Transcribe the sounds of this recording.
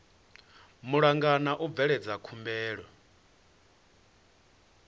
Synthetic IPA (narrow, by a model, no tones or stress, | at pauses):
muɺaŋɡanaʔub̪vɛɺɛd͡zakʰumbɛːɺwɔ